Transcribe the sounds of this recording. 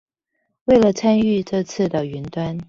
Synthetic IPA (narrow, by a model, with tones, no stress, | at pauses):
we˥˩ɪlə˩t͡sʰa˥ny˥˧ʈ͡ʂɤ˥˧t͡sʰɹ̩˥˩d̪ə˩y˧˥nt̪wa˥n